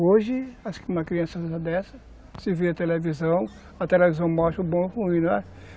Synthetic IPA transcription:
oʒɪaʃkɪũmɐkɾiɐ̃sɐad̪ɛsɐ | sɪveɐt̪elevizɐ̃w̃ | ɐt̪elevizɐ̃w̃mɔʃt̪ɐʊbõw̃huĩñɛ

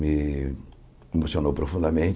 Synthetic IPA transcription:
mi | emosjonowpɾofũnd̪ɐmẽnt͡ʃ

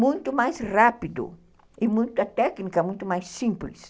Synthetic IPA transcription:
mũj̃t̪ʊmajsrapid̪ʊ̰ | ɪmũj̃t̪ʊɐt̪ɛknikɐmũj̃t̪ʊmajsːĩmplis

